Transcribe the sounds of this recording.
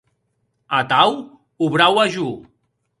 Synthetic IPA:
at̪aw | uβɾawaʒu

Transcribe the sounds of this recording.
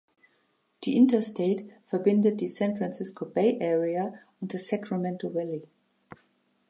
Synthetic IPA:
ð̥iʔɪ̃ntəstʰeɪtfə˞bɪ̃ndət̚disæ̃nfɹãnsɪskʰobeɪʔɛɹia | ʊ̃ntðəsækɹamɛ̃ntʰl̩ɹɛli

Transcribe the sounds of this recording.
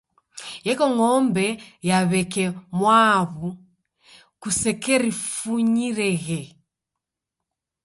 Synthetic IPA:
jɛkɔŋɔmbɛjaβɛkɛmwaβu | kusɛkɛɾifuɲiɾɛɣɛ

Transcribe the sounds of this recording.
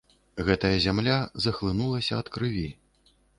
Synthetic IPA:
ɣɛt̪ɐjɐzʲamlʲazɐxlˠɨnulˠɐsʲɐɐt̪kɾɨvʲi

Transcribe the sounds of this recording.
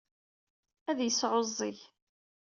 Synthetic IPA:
æðjəsʕozˤːiʝ

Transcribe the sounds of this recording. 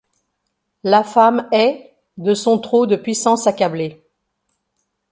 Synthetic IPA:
lafamɛ | d̪əsɔ̃t̪χod̪əpɥisɑ̃sakable

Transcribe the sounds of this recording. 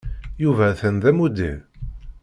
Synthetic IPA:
juvæθənðæmud̪ḭɾ

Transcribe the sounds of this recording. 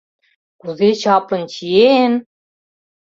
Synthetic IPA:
kuzet͡ɕɑplɤ̆nt͡ɕʰijen

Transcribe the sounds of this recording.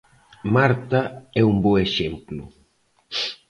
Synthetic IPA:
maɾt̪aɛumboeʃemplʊ̰

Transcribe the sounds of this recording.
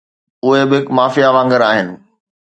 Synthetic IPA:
ʊɦebɪɦɪkmaːfijaʋãːŋɡəɾaːɦɪnɪ̆

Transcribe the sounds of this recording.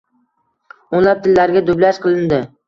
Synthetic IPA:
onlˠap̚t̪ʰɪlːaɾɡʲad̪ʊblaʃqʰɨlˠɪnd̪ɪ

